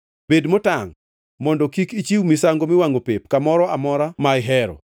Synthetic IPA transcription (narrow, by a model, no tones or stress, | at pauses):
bedmotaŋ | mɔndɔkikit͡ʃiwmisaŋɡomɪwaŋɡopep̚kamɔɾɔamɔɾamaɪɦɛɾɔ̰